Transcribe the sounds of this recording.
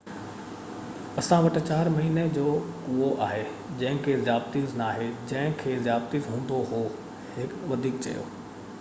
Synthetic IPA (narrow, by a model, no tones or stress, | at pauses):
ɐsãʋɐʈt͡ɕaːɾmɐɦiːned͡ʑoːkuoʔaːɦe | d͡ʑɐ̃ɦɪ̃kʰezjaːb̚t̪iznaːɦed͡ʑɐ̃ɦɪ̃kʰeːzjaːbt̪izɦũːn̆d̪oɦoː | hɪkʋɐd̪ʱiːkt͡ɕɐ̰jo̰ː